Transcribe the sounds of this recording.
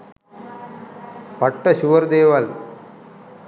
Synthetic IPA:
pɐʈːɐɕuʋɐɾd̪eːʋɐl

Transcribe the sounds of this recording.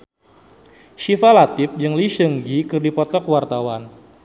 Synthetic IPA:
ʃifalat̪ɪp̚d͡ʒɨŋliʃəŋɡikɨrdipɔt̪ɔkwart̪awan

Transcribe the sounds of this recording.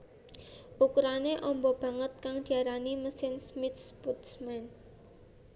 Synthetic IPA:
ʔukuɾaneʔɔmbɔb̥ä̤ŋət̪̚kaŋd̪̥i̤aɾaniməsɪnsmɪt̪̚sput̪smɛn

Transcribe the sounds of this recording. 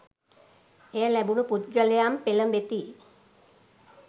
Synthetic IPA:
ejəlæbuluput̪ɡəlejaːmpeləmʋet̪i

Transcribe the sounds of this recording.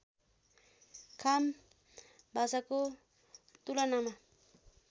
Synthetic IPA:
kʰam | bʱasako | t̪ulʌnama

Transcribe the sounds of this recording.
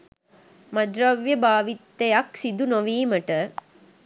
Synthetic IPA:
mɐd͡ʒɾɐʋjɐbaːʋit̪ːɐjaksid̪unoʋiːmɐʈːɐ

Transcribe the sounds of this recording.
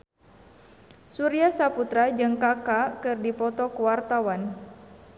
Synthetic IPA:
suɾiasaput̪ɾad͡ʒɨŋkakakɨrdipɔt̪ɔkəwart̪awan

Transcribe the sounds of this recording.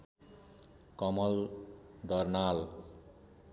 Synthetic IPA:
kʌmʌld̪ʌrnal

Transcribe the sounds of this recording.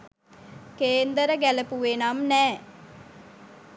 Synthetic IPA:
keːnd̪əɾəɡæləpuʋenamnæː

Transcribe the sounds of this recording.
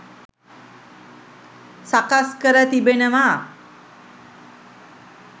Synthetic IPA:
sakaskəɾət̪ibenəma

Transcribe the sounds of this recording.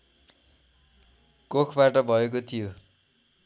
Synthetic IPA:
kokʰbaʈʌbʱʌek̬ot̪ʰijo

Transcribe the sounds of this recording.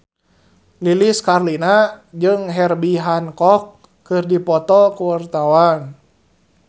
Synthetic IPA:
liliskarlinad͡ʒɨŋɦɛrbiɦankɔkː | ɨrdipɔt̪ɔkuwart̪awan

